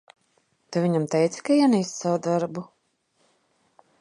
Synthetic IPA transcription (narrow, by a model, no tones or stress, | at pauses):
t̪avʲiɲamt̪ɛjt̪sɨ̥kainist̪savud̪aɾbu